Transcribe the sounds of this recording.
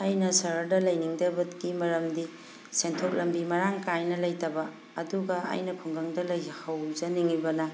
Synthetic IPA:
ajnɐsɐɾɐdɐlɐjniŋdɐbɐt̚kimɐɾɐmdi | sentʰok̚lɐmbimɐɾaŋkajnɐlɐjtɐbɐː | duɡɐa̰jnɐpʰoŋɡɐŋdɐlɐjhɐwzɐniŋibɐnɐ

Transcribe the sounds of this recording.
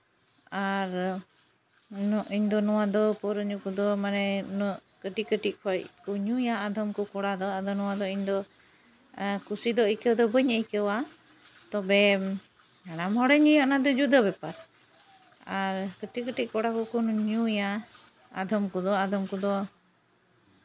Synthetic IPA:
aɾ | nɔʔiɲd̪ɔnɔwad̪ɔpɔɾəɲukud̪ɔmanɛnɔkəʈikəʈiʔ̚pʰɔʔkuɲujaːd̪ʱɔmkukɔɽad̪ɔad̪ɔnɔwad̪ɔiɲd̪ɔ | kusid̪ɔəjkɛwd̪ɔbəɲəjkɛwa | t̪ɔbɛ | aɽamhɔɽɛɲijɔʔnad̪ɔd͡ʒud̪aβɛpaɾ | aɾkəʈikəʈiʔ̚kɔɽakukunɲuja | ad̪ʱɔmkud̪ɔad̪ʱɔmkud̪ɔ

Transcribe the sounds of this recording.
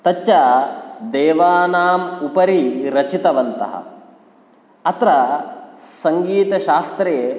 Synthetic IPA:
t̪ɐt͡ʃːʃad̪eːʋaːnaːmupɐɾiɾɐt͡ʃit̪ɐʋɐnt̪ɐ̰ɦɐ̰ | ɐt̪ɾɐ | sɐŋɡiːt̪ɐʃaːst̪ɾeː

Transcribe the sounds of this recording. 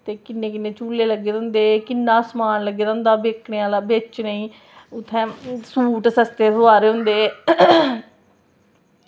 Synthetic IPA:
t̪eːkɪnːẽːkɪnːeːt͡ʃuːleːləɡːeːd̪ə̃ːnd̪eːkɪnːãːsmaːnləɡːeːd̪ə̃ːnd̪aːbeːkʰneːaːlaːbeːt͡ʃnəĩː | ʊt̪ʰːɛ̃ːsuːʈsəst̪eːsoaːɾeːɦʊ̃nd̪eː

